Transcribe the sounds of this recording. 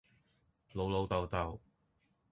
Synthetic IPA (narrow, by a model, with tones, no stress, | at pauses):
lo˨wlo˨˧wt̪ɐ˨wt̪ɐ˨˩w